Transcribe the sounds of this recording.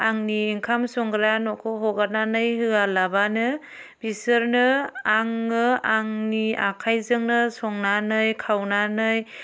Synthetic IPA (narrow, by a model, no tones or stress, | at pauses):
aŋniːŋkʰamsɔŋɡɾanɔkʰɔɦɔɡananɯjhɯalabanɯ | b̥isɯɾnɯaŋːɯaŋnia̰kʰajzɯŋnɯsɔŋnanɯjkʰawnanɯj